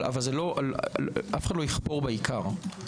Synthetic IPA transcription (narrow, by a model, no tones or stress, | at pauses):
a̰valzelo̞ʔʔafe̥χad̪lo̞jiχpo̞ʁbeikaʁ